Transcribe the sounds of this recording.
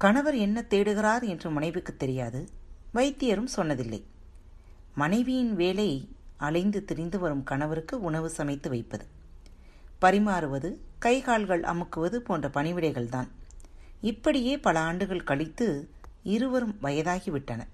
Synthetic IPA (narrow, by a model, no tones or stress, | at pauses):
kɐɳɐʋɐɾɛnːɐt̪ːeːɽɯɣɪɾaːɾɛndrɯmɐnɐɪʋɯkːɯt̪ːɛɾɪjaːðɯʋɐɪt̪ːɪjɐɾɯmsɔnːɐðɪlːɐ̰ɪ | mɐnɐɪʋɪjɪnʋeːlɐɪɐlɐɪnd̪ɯt̪ɪɾɪnd̪ɯʋɐɾɯmkɐɳɐʋɐɾɯkːɯʊɳɐʋɯsɐmɐɪt̪ːɯʋɐɪpːɐðɯ | pɐɾɪmaːɾɯʋɐðɯkɐɪɣaːɭɣɐɭʔɐ̰mɯkːɯʋɐðɯpoːndrɐpɐɳɪʋɪɽɐɪɣɐɭt̪aːn | ɪpːɐɽɪjeːpɐlɐaːɳɖɯɣɐɭkɐɭɪt̪ːɯ | ɪɾɯʋɐɾɯmʋɐjɐðaːɣiʋɪʈːɐnɐ